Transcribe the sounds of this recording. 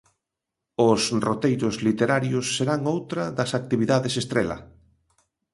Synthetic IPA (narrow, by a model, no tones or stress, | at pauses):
ʊsrot̪ejɾʊzlit̪eɾaɾjʊsːeɾaŋowt̪ɾɐðɐsak̚t̪iβiðaðesest̪ɾelɐ̰